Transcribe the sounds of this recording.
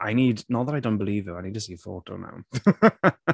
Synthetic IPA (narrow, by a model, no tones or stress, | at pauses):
ʔaɪniːdnɔðəɾaɪdõʊ̃nb̥ɪliːvjuaɪniːd̚tʰəsiːfo̰ːto̰ʊna̰ʊ